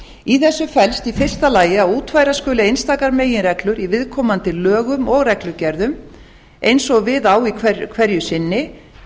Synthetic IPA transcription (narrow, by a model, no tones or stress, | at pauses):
iθɛsːʏfɛlst̪ifɪr̥st̪alaːjɪaðuːt̪vaːjɾaskʏːlɪejnst̪aːkaɾmeːjɪnrɛklʏɾivɪðkʰɔːmant̪ɪlœːɣʏmɔɣrɛklʏcɛɾðʏm | ʔejnsɔɣvɪðawikʰvɛkʰvɛɾjʏsɪnːɪ